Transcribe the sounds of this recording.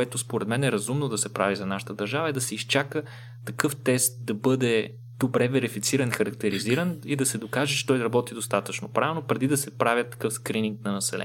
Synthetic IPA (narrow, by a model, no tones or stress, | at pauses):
ɛt̪ospoɾɛd̪mɛnɛɾɐzumnod̪ɐsɛpɾavizɐnaʃə̥t̪əd̪ɐɾʒavəɛd̪ɐsɛist͡ʃakə | t̪ɐkɤft̪ɛst̪̚d̪ɐbɤd̪ɛ | d̪̥obɾɛvɛɾifit̪siɾɐnxɐɾɐkt̪ɛɾiziɾənid̪ɐsɛd̪okaʒɛt͡ʃɛ̥t̪ɔjɾɐbɔt̪id̪ost̪at̪ət͡ʃnopɾavɛlnopɾɛd̪id̪ɐsɛpɾavʲjət̪ːɐ̥kɤfskɾiniŋk̚nɐnɐsɛlɛ̰